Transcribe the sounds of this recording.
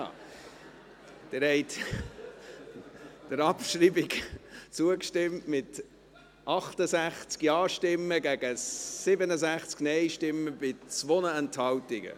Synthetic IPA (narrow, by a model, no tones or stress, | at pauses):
d̥ɪɾhɛɪt | d̥əɾɑpʃɾiːbɪɡt͡suəkʃtɪmtmɪt | ʔɑχtəsæχt͡skjɑːʃtɪmːəɡæɡ̥əsɪbənəsæχt͡sknɛɪʃtɪmːəb̥ɪt͡sʋonəɛnthɑwtɪɡə̰